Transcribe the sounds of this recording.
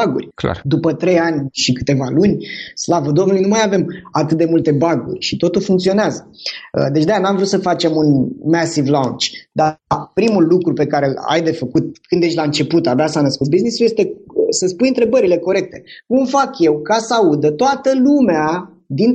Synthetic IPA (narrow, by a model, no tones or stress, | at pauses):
aɡṵrʲkd̪upət̪ɾe̞janʲʃikɨ̥t̪e̞valunʲslavəd̪o̞mnuluijnumajave̞mat̪ɨt̪̚d̪emult̪e̞baɡṵrʲʃit̪o̞t̪ulfuŋkt̪sio̞neazəə̰d̪e̞t͡ʃʲd̪eanamvɾut̪səfat͡ʃe̞munmæsivlant͡ʃd̪apɾimulːukɾupe̞kaɾe̞la̰jd̪e̞fəkut̪̚kɨnd̪eʃʲlaɨnt͡ʃe̞put̪abeasanəskut̪̚biznisujest̪e̞səspujɨnt̪ɾe̞bəɾile̞ko̞ɾe̞k̚t̪e̞kumfakje̞wkasəaud̪ət̪oat̪əlumea | d̪in